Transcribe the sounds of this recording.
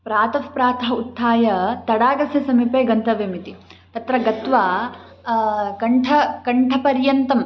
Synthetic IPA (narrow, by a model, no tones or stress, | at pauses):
pɾaːt̪ɐfpɾaːt̪ɐɦɐut̪ʰːaːjɐt̪ɐɽaːɡɐsjɐsɐmipeːɡɐnt̪ɐʋemit̪it̪ɐt̪ɾɐɡɐt̪ʋaː | kɐɳʈʰɐkɐɳʈʰɐpɐɾjɐnt̪ɐm